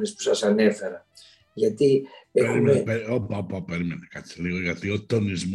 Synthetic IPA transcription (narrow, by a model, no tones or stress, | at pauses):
nespu̥sɐsɐne̞fe̞ɾɐ | ʝɐt̪iexɾuimepeopapɐpeɾimenekasiliɣoʝɐt̪iot̪onizm